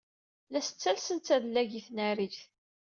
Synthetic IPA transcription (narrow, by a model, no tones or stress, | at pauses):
læsə̥t͡sːælsənt͡s̪ːæðlːæʝiθnæɾiθ